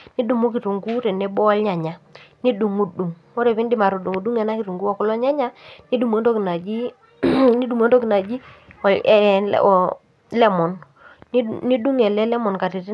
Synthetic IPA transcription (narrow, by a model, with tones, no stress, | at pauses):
ni˦du˨mu˦ki˨tu˨ŋɡu˦ɾɛ˨nɛ˦bɔ˦a˦lɲa˨ɲa˨ni˦du˨ŋu˨du˨ŋmɔ˦ɾe˨pi˦ndɪ˦ma˨ɾu˨du˨ŋu˨du˦ŋɛ˨na˦ki˨ɾu˨ŋɡu˦ɔ˨kʊ˨˦lɔ˦ɲa˦ɲa˦ni˦du˨m˨e˦ndɔ˦ki˨na˨d͡ʒi˦ | ni˦du˨m˦e˦ndɔ˦ki˨na˨d͡ʒi˦ɔ˨lɛ̰˦˨ɔ˨ | lɛ˦mɔ˨n˦ | ni˦du˦ŋɛ˨lɛ˦lɛ˦mɔ˨nka˨ti˨t